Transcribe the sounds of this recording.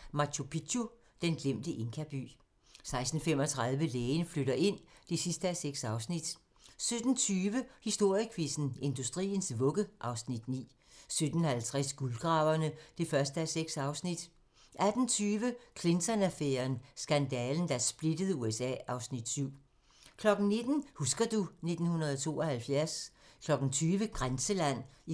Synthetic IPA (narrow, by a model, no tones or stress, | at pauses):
mɑ̈t͡ɕʰopʰidʰu | d̥enɡ̥lem̰d̥əʔe̝ŋkʰæb̥y̰ː | sɑ̈ɪsd̥n̩fem̰ɒ̽t͡sʰʁɑ̈ð̞ˠʋəleːɪnfløɾɐʔe̝n̰d̥e̝sisd̥əæseɡ̥sɑ̈ʊsnid̥ | sød̥n̩t͡sʰyːʋəhisd̥o̝ɐ̰jəkʰʋisn̩e̝nd̥usd̥ʁḭːn̩sʋɔ̽ɡ̥əʔɑ̈ʊsnid̥nḭː | sød̥n̩hælt͡sʰʁasɡ̥ulɡ̥ʁɑ̈ːʊɐnəd̥e̝fɶɐsd̥əæseɡ̥sɑ̈ʊsnid̥ | ʔæd̥n̩t͡sʰyːʋəkʰle̝nt͡sʰɒnæfeːɐnsɡ̥ænd̥ɛːln̩d̥æsb̥led̥əð̞ˠuesɛ̰ːʔɑ̈ʊsnid̥syʊ̰ | kʰlɒ̽ɡ̥n̩ne̝d̥n̩husɡ̥ɐd̥une̝d̥n̩hunɐð̞ˠɒt͡sʰo̝̰ːɒ̽hælfjæɐskʰlɒ̽ɡ̥n̩t͡sʰyːʋəɡ̥ʁansəlæn̰